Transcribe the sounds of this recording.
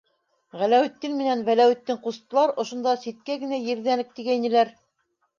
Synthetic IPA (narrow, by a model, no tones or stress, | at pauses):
ʁælæwɘ̆t̪ːinmɘ̆nænvælæwɘ̆t̪ːɘŋqust̪ɤ̆lˠɑɾŏʃŏnd̪ɑsit̪̚kæɡɘ̆næjɘ̆ɾðænɘk̚t̪iɡæjnɘ̆læɾ